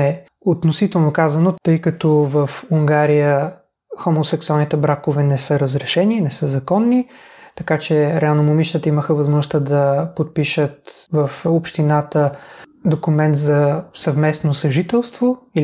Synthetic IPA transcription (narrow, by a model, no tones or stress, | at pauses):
ɛ | ot̪nosit̪ɛlˠnokazɐnot̪ɤjkɐt̪ɔvəfuŋɡaɾijə | xomosɛksualˠnit̪ɛbɾakovɛnɛsɤɾəzɾɛʃɛninɛsəzɐkɔnːit̪ɐkat͡ʃɛɾɛalˠnomomiʃt̪ət̪əiməxəvɐzmɔʒʊst̪əd̪ɐpot̪̚piʃət̪vəfopʃt̪inat̪əd̪okʊmɛnt̪zɐsɐvmɛsnosɐʒit̪ɛlˠst̪voi